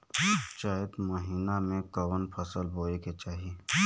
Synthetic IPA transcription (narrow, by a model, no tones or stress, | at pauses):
t͡ʃaːəd̪mɐɦiːnamẽkɐʋənpʰɐsəlbʱoːeket͡ʃaːɦi